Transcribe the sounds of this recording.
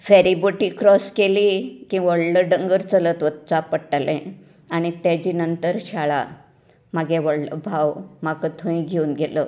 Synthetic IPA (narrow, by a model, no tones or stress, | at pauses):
fɛɾiboʈikɾɔskelikĩʋəɭləɖəŋɡəɾt͡sələt̪ʋət̪t͡sapəʈːalɛ̃ | aɽ̃it̪jad͡ʑiːnənt̪əɾɕaɭa̰ | maɡɛ̃ʋəɽlə̰bʱawmakət̪ʰə̃ĩɡʱeuːnɡelə